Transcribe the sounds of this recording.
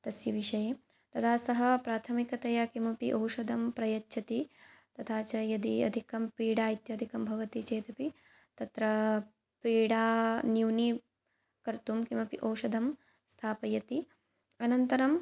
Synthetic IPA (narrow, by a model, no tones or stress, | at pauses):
t̪ɐsjɐʋiʃɐjeː | t̪ɐt̪ʰaːsɐɦɐpɾaːt̪ʰɐmikɐt̪ɐjɐkimɐpiʔowʃɐd̪ɐmpɾɐjɐtːʃʰɐt̪it̪ɐt̪ʰaːt͡ʃɐjɐd̪iɐ̰d̪ʱikɐmpiːɽaːit̪jɐd̪ʱikɐmbʱɐʋɐt̪it͡ʃeːt̪ɐpi | t̪ɐt̪ɾɐ | piːɽaːnjuwni | kɐɾt̪umkimɐpḭʔowʃɐd̪ʱɐm | st̪ʰaːpɐjɐt̪i | ɐnɐnt̪ɐɾɐm